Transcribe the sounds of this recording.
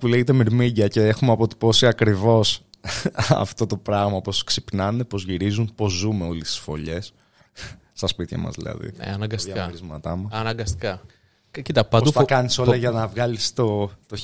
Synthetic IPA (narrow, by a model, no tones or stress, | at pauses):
kuleʝet̪̬emiɾmiɟɐce̞exumeɐpo̞t̪i̥po̞siɐkɾivo̞s | ɐ̰ft̪o̞t̪o̞pɾɐɣmɐposksipnɐnepo̞zʝiɾizumpo̞zːumeo̞list̪i̥sfo̞̰ʎe̞sː | t̪ɐspit̪çɐ̰mɐ̰zðḭlɐ̰ðḭɐnɐɡɐsɐkɐoɾizmɐt̪ɐmuɐnɐɡɐst̪i̥kɐ | cit̪ɐpɐod̪ɐkɐniso̞lɐʝɐnɐvɣɐlist̪ot̪o